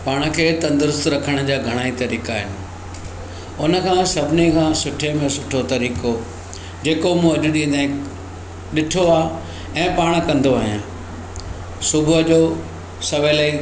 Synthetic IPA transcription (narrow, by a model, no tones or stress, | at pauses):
paːɽ̃kʰeːt̪ɐ̃nd̪əɾʊst̪ɾɐkʰəɽ̃d͡ʑaːɡʱɐɽ̃aːit̪ɐɾiːkaːɦɪnɪ̆ | ʊnə̆kʰãːsɐbʱɪnekʰãːsʊʈʰemẽsʊʈʰot̪ɐɾiːko | d͡ʑeːkomũɐʄʊɗĩːnd̪ãɪ̃ | ɗɪʈʰoaːɦ | ɛ̃ːpaːɽ̃kɐ̃nd̪oaɦijãː | sʊbʱʊʄoː | sɐʋeləi